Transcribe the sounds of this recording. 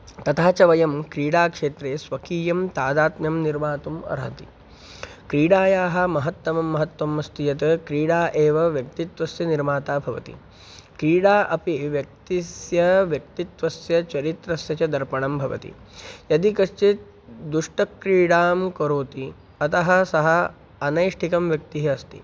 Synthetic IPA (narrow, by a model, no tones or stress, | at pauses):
t̪ɐt̪ʰaːt͡ʃɐʋɐjɐmkɾiːɽaːkʂeːt̪ɾeːsʋɐkiːjɐmt̪aːd̪aːt̪mjɐmniɾmaːt̪umɐ̰ɾɦɐt̪ḭ | kɾiːɽaːjaːɦɐ̆mɐɦɐt̪ːɐmɐmːɐɦɐt̪ːʋɐmːɐst̪ijɐt̪ɐkɾiːɽaːʔeːʋɐʋjɐk̚t̪it̪ʋɐsjɐniɾmaːt̪aːbʱɐʋɐ̰t̪ḭ | kɾiːɽaːʔɐpiʋjɐk̚t̪isjɐʋjɐkt̪it̪ʋɐsjɐt͡ʃɐɾit̪ɾɐsjɐt͡ʃɐd̪ɐɾpɐɳɐmbʱɐʋɐ̰t̪ḭ | jɐd̪ikɐʂt͡ʃit̪ | d̪uʂʈɐkɾiːɽaːmkɐɾoːt̪i | ɐt̪ɐɦɐ̆sɐɦɐ | ɐnɐjʂʈʰikɐmʋjɐk̚t̪iɦɐɐst̪i